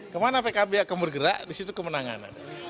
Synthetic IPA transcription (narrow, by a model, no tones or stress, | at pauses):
kəmanapaekabiaʔkaŋbərɡəɾaʔdisit̪ukəmənaŋa̰na̰n